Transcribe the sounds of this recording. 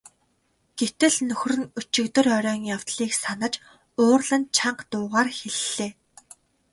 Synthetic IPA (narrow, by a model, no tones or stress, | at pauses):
ɡ̥et̪ɘ̆ɮnɵx̆ʲrɵ̆nɵt͡ɕɪ̆kt̪ɵ̆rœɾʲœːŋjaw̥t̪ɮiːksanə̆t͡ɕ | oːrɮə̆nt͡ɕʰaɴqt̪ʊːʁaːrxeɮːeː